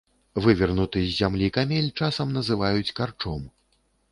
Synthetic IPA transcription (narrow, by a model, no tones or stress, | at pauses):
vɨvʲɛrnut̪ɨzʲːamlʲikamʲelʲt͡ʂasɐmnɐzɨvajut͡sʲkart͡ʂɔm